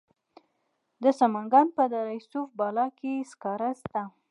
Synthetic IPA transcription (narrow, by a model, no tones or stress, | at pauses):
d̪əsamaŋɡɑnpəd̪aɾajsufbɑlɑkeskɑɾast̪a